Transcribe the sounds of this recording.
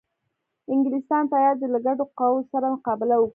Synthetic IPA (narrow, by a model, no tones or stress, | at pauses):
ɪŋɡɪlɪst̪ɑnt̪ɑjɑɾd̪əlaɡaɖoqɑwosaɾamʊqɑbɪlawək